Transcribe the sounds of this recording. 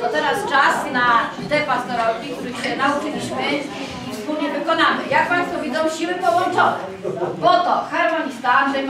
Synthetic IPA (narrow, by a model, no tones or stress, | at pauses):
t̪ɔt̪ɛɾast͡ʂasna | d̪ɛpast̪ɔɾɔkʲik̚t̪uɾɘxɕɛnaut͡ʂɘlʲiɕmɘ | ifspulɲɛvɘkɔnamɘjak̚pãj̃st̪fɔvʲid̪zɔ̃w̃ɕiwɘpɔwɔnt͡ʂɔnɛ | bɔt̪ɔxɛɾmɔɲʲist̪aʐɛ